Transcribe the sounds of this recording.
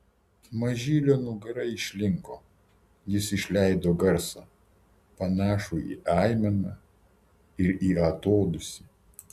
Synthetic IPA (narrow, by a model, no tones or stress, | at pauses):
mɐʒʲiːlʲoːnʊɡɐɾɐɪʃʲlʲɪŋkoː | jɪsɪʃʲlʲæɪd̪oːɡɐɾsɑ̰ː | pɐnɑːʃuḭːʔɑɪmʲɛnɑ | ɪɾiːɐt̪oːd̪ʊsʲɪ